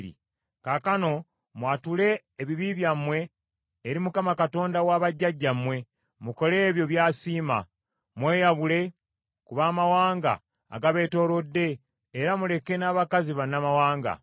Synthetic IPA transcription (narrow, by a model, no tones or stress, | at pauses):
ɾḭ | kakano̞ | mwatule̞ː | βiβiβjamwe̞ː | ɾimukamakato̞ːndawaːβaɟːaɟːamwe̞ | muko̞le̞ːβjo̞βjaːsiːma̰ | mwe̞ːjaβule̞ | kuβaːmawaːŋɡa̰ː | ɡaβe̞to̞ːlo̞dːe̞ː | ɾamule̞ke̞naːβakaziβanːamawaːŋɡa̰